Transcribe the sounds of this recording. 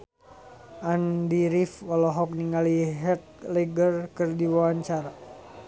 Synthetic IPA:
ʔandiɾifɔlɔɦɔk̚niŋaliɦɛt̪̚lɛɡərkərdiwawaɲt͡ʃaɾa

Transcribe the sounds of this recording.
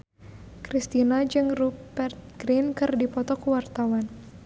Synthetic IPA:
kɾist̪inad͡ʒɨŋrupbɛrt̪̚ɡɾinkɨrdipɔt̪ɔkuwart̪awan

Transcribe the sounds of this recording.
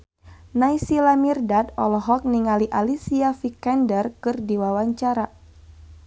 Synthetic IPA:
najsilamirdad̪ɔlɔɦɔk̚niŋaliʔalisiafikɛndərkɨrdiwawaɲt͡ʃaɾa

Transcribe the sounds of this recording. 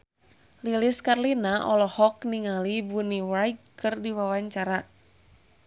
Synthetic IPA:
liliskarlinaʔɔlɔhɔkniŋalibuniwajkkɨrdiwawaɲt͡ʃaɾa

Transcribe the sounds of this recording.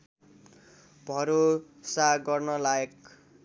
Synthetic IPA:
bʱʌɾo | saɡʌrnʌlaek

